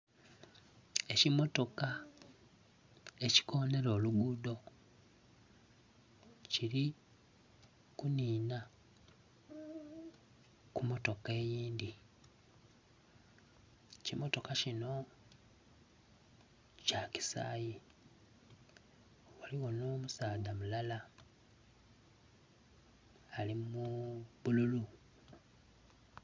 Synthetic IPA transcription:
e̞cimo̞to̞ka | e̞ci̥ko̞ne̞ɾo̞ːluɡuːdo̞ | ciɾi | kuniːna | kumo̞to̞ke̞ːjiːndi | cimo̞to̞kacino̞ | caci̥sa̰ːji | waliwono̞ːmusaːdamulala | limuβululu

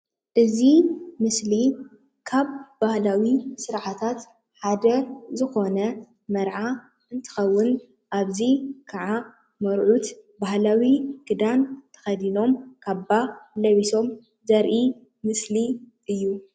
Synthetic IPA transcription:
ʔɨzimɨsli | kʰaβbahlawisɨɾʕat̪ʰat̪ | ħad̪ɐzɨxo̞nɐ | mɐɾʕa | ɨnt̪ʰɨ̥xɐwːɨn | ʔaβzikʰaʕa | mɐɾʕut̪bahlawiɡ̥ɨd̪ant̪ʰɐ̥xɐd̪ino̞mkʰabalɐβiso̞m | zɐɾʔi | mɨsli | ʔɨjːu

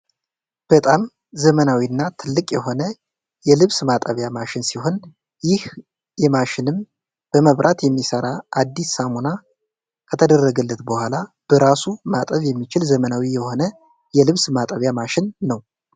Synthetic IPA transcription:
b̥ət̪ʼam | zəmənawinːat̪ʰɨlːɨkʼjɛho̞nə | jɛlɨβsmat̪ʼəβjamaʃɪnsiho̞n | jɪh | jɛmaʃɪnɨm | b̥əməβɾʔat̪jɛmːisəɾaad̪ːisːamuna | kʰət̪ʰəd̪ərːəɡɨlːət̪bəhʷalab̥əɾasumat̪ʼəβjɛmːit͡ʃɪlzəmənawijɛho̞nə | jɛlɨβsmat̪ʼəβjamaʃɪnːəw

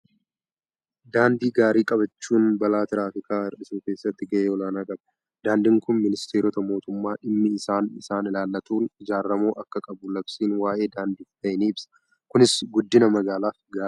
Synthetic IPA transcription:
d̪aːnd̪iːɡaːɾiːkʼɐbɐt͡ʃːuːnbɐlaːt̪ɪɾaːfɪkaːɪrɗɪsuːke̞ːsːɐt̪ːɪɡɐʔeːɔlaːnaːkʼɐb | d̪̥aːnd̪ɪŋkʊnmɪnɪst̪ʰeːɾɔt̪ɐmo̞ːt̪ʊmːaːᶑɪmːɪɪsaːnɪsaːnɪlaːlːɐt̪uːnɪd͡ʒaːrːɐmoːʔɐkːɐkʼɐbʊlɐb̥siːnwaːʔe̞ːd̪aːnd̪iːft̪ɐjɪniːɪbsɐ̥ | kʊnɪsɡʊd̪ːɪnɐmɐɡaːlaːfɡaːɾ

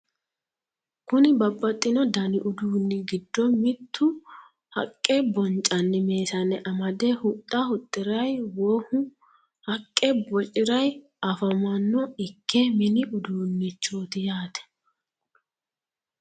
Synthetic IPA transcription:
kʊnɪbɐbʼːɐt̪ʼːɪnɔd̪ɐnɪʔʊd̪uːnːɪɡɪd̪ːɔmɪt̪ʰːʊ | hɐ̰kʼːɛbɔnt͡ʃʼːɐnːɪme̞ːsɐnːɛʔɐmɐd̪ɛhʊt̪ʼːɐhʊt̪ʼːɪɾɐjwoːhʊ | hɐkʼːɛbɔt͡ʃʼɪɾɐj | ɐfɐmɐnːɔɪkʰːɛmɪnɪʔʊd̪uːnːɪt͡ʃːoːt̪ɪjaːt̪ɛ̥

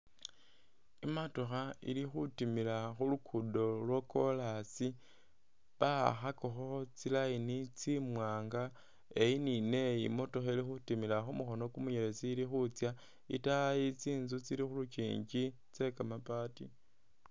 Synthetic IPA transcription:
imatoxaḭlixutimilaxulukʰudo̞lwokolasi | βaxakoxot͡silainit͡simwaːŋɡa | e̞inine̞imo̞to̞xelixutimilaxumuxo̞no̞kumuɲele̞t͡siːlixut͡sja | ḭtajit͡siːnzut͡silixulut͡ʃḭːɲɟi | t͡se̞kamapatḭ

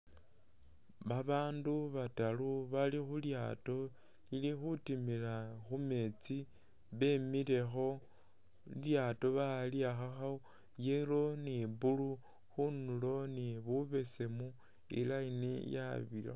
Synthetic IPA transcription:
βaβaːnduβataluβalixulja̰to̞ | ilixutimilaxume̞t͡si | βe̞mile̞xo̞ | ljaːto̞βaliaxaxao | jeɾoniβulu | xunulo̞niβuβe̞se̞mu | ḭlainḭja̰βila̰

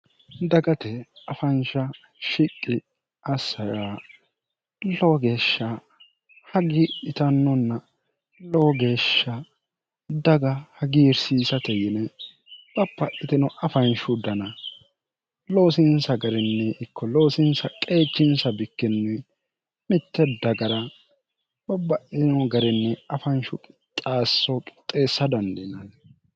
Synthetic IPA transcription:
d̪ɐɡɐt̪ɛɐfɐnʃɐ | ʃɪkʼːɪ | ɐsːɐjaː | loːɡe̞ːʃːɐ | hɐɡɪːt̪ɐnːɔnːɐ | loːɡe̞ːʃːɐ | d̪ɐɡɐhɐɡiːɾsiːsɐt̪ɛjɪnɛ | bɐpːɐʔɪt̪ɪnɔʔɐfɐnʃʊd̪ɐnɐ | loːsɪnsɐɡɐɾɛnːɛʔɪkʰːɔlo̞ːsɪnsɐkʼe̞ːt͡ʃːɪnsɐbɪkːɛnːɛ | mɪt̪ːɛd̪ɐɡɐɾɐ | b̥ɐbːɐʔɪnɔɡɐɾɪnːɛɐfɐnʃʊkʼɪt̪ʼaːsːɔkʼɪ̥t̪ʼːe̞ːsːɐd̪ɐnd̪ɪnɐn

